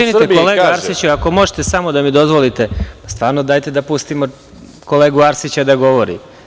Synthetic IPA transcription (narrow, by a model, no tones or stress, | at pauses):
init̪ekoleaɾsit͡ɕuako̞mo̞ʒet̪esamo̞d̪amid̪o̞zʋo̞lit̪e̞pḁst̪ʋaːɾnod̪aːjt̪ed̪apust̪imo | ko̞le̞ːɡuaɾsit͡ɕad̪aɡo̞ʋo̞ɾḭ